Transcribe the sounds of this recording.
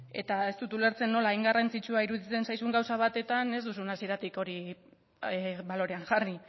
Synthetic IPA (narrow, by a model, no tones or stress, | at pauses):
e̞̰t̪ae̞st̪ut̪ule̞ɾt͡se̞nːo̞laːjŋɡarant͡sit͡ʃuaiɾuðit͡se̞nsajs̬uŋɡawsaβ̞at̪e̞t̪ane̞zd̪usunasie̞ɾat̪iko̞ɾi | βalo̞ɾe̞aŋʝari